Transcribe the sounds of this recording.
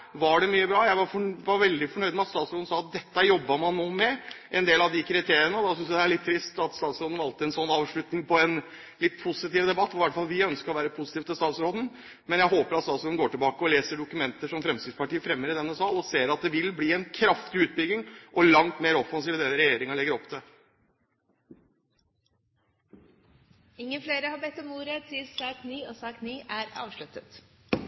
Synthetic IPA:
ʋɑɖɛmyːəbɾɑːjæɪʋɑɾfɔʋɑɾʋɛld̪ɪfɔɳœʏd̪mɛɑt̪st̪ɑːt̪sɾoːd̪n̩sɑːɑt̪̚d̪ɛt̪ːəjɔbːəmɑnːoːmɛʔɛnd̪eːlɑʋd̪ɪkʰɾɪt̪ʰeːɾɪənəd̪ɑsʏnsjd̪ɛæɭɪt̪ʰːɾɪst̪ɑt̪st̪ɑːt̪sɾoːd̪n̩ɾɑlt̪ɪɛnsɔnːɑːʋʂɭʉt̪nɪŋpʰɔɛn | lɪt̪ːpʰʊsɪt̪iːʋəd̪ɛbɑt̪ːɔɪʋæʈːfɑlːˠʋɪœnskəɾɔʋæːɾəpʰʊsɪ̥t̪iːʋt̪ʰɪlst̪ɑːt̪sɾoːd̪ən̩ | mɛnjæɪɦoːpəɾɑt̪sɑlsɔʋɛnɡoːʈɪlbɑːkəɔleːsəɖʊkʉmɛnt̪əʂɔmfɾɛmsiːspɑʈiːəfɾɛmːəɾɪd̪ɛnːəsɑːlɔseːɾɑt̪̚d̪ɛʋɪlbliːɛnkʰɾɑft̪ɪʉːt̪̚bʏɡɪŋʔɔlɑŋt̪meːɾɔfɑns̬iːʋəd̪eːəɾɛjeːɾɪŋɑɭɛɡːəɾɔpːt̪ʰɛ | ɪŋːənfleːɾəhɑbɛt̪ːɔmuːɾɛd̪t̪ʰɪsɑːkniːɔːsɑːkniːʔæːɾɑ̰ːʋʂɭʉt̪ət̪

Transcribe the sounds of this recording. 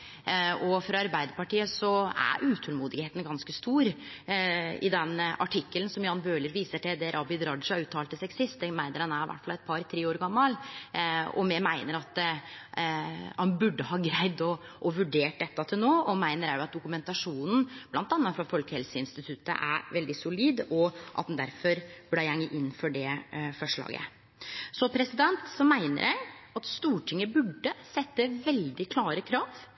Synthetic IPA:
ɔfɾɑɑɾbæɪd̪əɾpɑʈiːəsɔæ̰ɾʔʉːt̪ʰɔlmuːd̪ɪɡheːt̪n̩ɡɑnskəst̪uːɾ | ɪ̰d̪ɛnːɑ̰ʈʰɪkːələnsɔmjɑːnbøːləɾʋiːsəʈɛd̪ɛɾʔɑbɪd̪ɾɑɖ̪ʂɑɾʉːt̪ʰːɑːlt̪ːɪsɛɡsɪst̪ɛmæɪnəɾhɑnæɾɪʋʔæ̰ʈːfɑlɛt̪̚pʰɑɾt̪ʰɾeːoːɾɡɑmːɑl | ɔ̰mɛmæɪnəɾɑt̪ | hɑnbʉɖːəɦɑːɡɾæɪd̪ɔ | ʔɔʋʉɖeːʈ̚d̪ɛt̪ːɑt̪ʰɪlnoːɔmæɪnəɾæɾjʊɑt̪̚d̪ʊkʉmɛnt̪ɑʂuːnn̩blɑnt̪ɑnːɑfɾɑfɔlkəhɛlsəɪnst̪ɪt̪ʰʉt̪ːə̰ʔæ̰ɾʋɛld̪ɪsʊliːd̪ɔʔɑ̰t̪̚d̪ɛnd̪æɾfɔɾb̥ɽææŋːəʔɪnːfɔɖɛfɔʂɭɑ̰ːɡə̰ | sɔpʰɾɛsɪd̪ɛnt̪sɔmæɪnə̰ɾjæ̰ɪɑt̪st̪uːʈʰɪŋːəbʉɖːəsɛt̪ːəʋɛld̪ɪkʰlɑːɾəkʰɾɑːʋ

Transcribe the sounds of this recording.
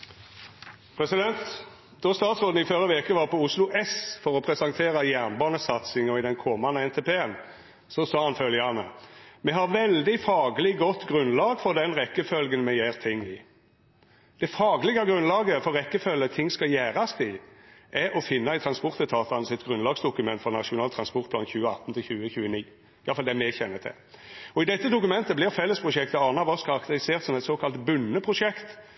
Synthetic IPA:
pʰʁɛsɪd̪ɛnt̪ | d̪̥ɔst̪ɑːt̪sʁoːd̪n̩ɪfœɾəʋeːkəʋɑːʁpɔʊslʊʔɛsfɔʁɔpʰɾɛsɑŋt̪ʰeːʁɑjæʁnbɑːnəsɑt̪sɪŋɔɪd̪ɛnkʰɔmɑnəɛnt̪ʰɛpʰeːən | sɔsɑːhɑnfœljəɑnə̰mɛɦɑʁʋɛld̪ɪfɑːɡlɪɡɔt̪ːɡʁʉnlɑːɡfɔʁd̪ɛnʁɛkːəfœlɡənmɛjæːʁt̪ʰɪŋːɪ̰ | d̪̥ɛfɑːɡlɪɡɑɡɾʉnlɑːɡəfɔːɛkːəfœlːət̪ʰɪŋːskɑjæːɾɑst̪ɪʔɛɾɔfɪnːɑæɪt̪ʰɾɑnspɔʁt̪ət̪ʰɑːt̪ɑnəsɛt̪ɡʁʉnlɑːɡsd̪ʊkʉmɛnt̪fɔʁnɑʂʊnɑːlt̪ʰɾɑnspɔʁt̪̚pʰlɑ̰ːnçʉːəɑ̰t̪ːn̩t̪ʰɪlçʉːəçʉːəniː | ɪjɑfɑld̪ɛmɛçɛnːət̪ʰɪ̰l | ɔɪd̪ɛt̪ːəd̪ʊkʉmɛnt̪əblɪʁfɛlːəspʰʁʊʂɛkt̪əɑːnɑʋɔskʰɑʁɑkt̪əɾɪseːʁt̪sɔmɛt̪soːkʰɑlt̪bʉnːəpʰʁʊʂɛkt̪

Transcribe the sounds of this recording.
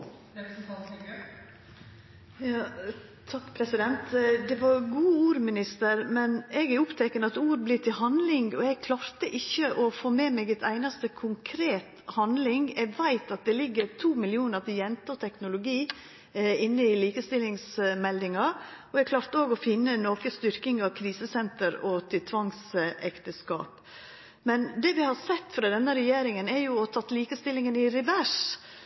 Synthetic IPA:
jɑː | t̪ʰɑkːpʰɾɛsɪd̪ɛnt̪d̪ɛʋɑɡuːuːɾmɪnɪst̪əɾmɛnɛɡɛɾʊpt̪ʰɛkːənəɑt̪uːɾblɪːt̪ʰɪlɦɑnd̪lɪŋɡɔɛɡ̚kʰlɑːɾt̪əʔɪçːəʔɔfoːmeːmɛːɡɛt̪ʰæɪnɑst̪əkʰʊŋkʰɾeːt̪hɑnd̪lɪŋɛɡʋæɪt̪ɑt̪̚d̪ɛlɪɡːəɾt̪ʰuːmɪlɪuːnəɾt̪ʰɪjɛnt̪əɔt̪ʰɛknʊlʊɡiː | ɪnːəɪliːkəst̪ɪlɪŋsmɛld̪ɪŋɑɾɔɛɡkʰlɑːɾt̪əoːɡɔfɪnːənoːkəst̪ʏɾkɪŋɑʋkʰɾiːsəsɛnt̪əɾɔt̪ʰɪlt̪ʰʋɑŋsɛkt̪əskɑ̰ːp | mɛnd̪ɛːʋɪhɑɾsɛt̪ːfɾɑd̪ɛnːəɾɛjeːɾɪŋənɛɾjʊɔt̪ʰɑt̪ːliːkəst̪ɪlːɪŋənɪɾɪʋæʂ

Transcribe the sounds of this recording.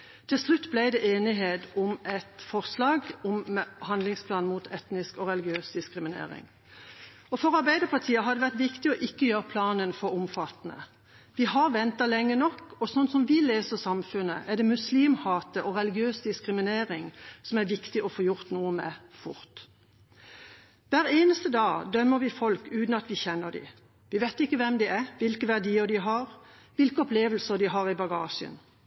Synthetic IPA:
t̪ʰɪlslʉt̪ːblæɪd̪ɛʔeːnɪɦeːd̪ʊmɛt̪fɔʁslɑːɡɔmɛhɑnlɪŋspʰlɑːnmuːt̪ʰɛt̪nɪskɔɾɛlɪɡɪøːsd̪ɪskɾɪmɪnḛːɾɪ̰ŋ | ɔfɔɾɑɾbæɪd̪əpʰɑt̪ʰiːəɦɑɾd̪ɛʋæʁt̪ʋɪkt̪ɪɔʔɪkːəjøːɾʁəpʰlɑːnənfɔɾɔmfɑt̪ːnə̰ | ʋɪɦɑɾʋɛnt̪ɑlɛŋːənɔkːɔsɔnsɔmʋɪleːsəʁsɑmfʉnəʔæd̪ɛmʉsliːmhɑːt̪əʔɔʁɛlɪɡɪøːsd̪ɪskʁɪmɪneːʁɪŋsɔmæʁʋɪkt̪ɪʔɔfoːjʊʁt̪nuːəmɛ̰fʊ̰ʁt̪ | ʋæːʁeːnəst̪əd̪ɑːd̪œmːəʁʋɪfɔlkʉːt̪nɑt̪ʋɪçɛnːəʁd̪ɪ̰ | ʋɪʋet̪ɪkːəʋɛmd̪ɪæʁʋɪlkəʋæʁd̪iːəʁd̪ɪɦɑʁ | ʋɪlkəɔpleːʋəl̩səʁd̪ɪɦɑʁɪbɑɡɑːʃə̰n

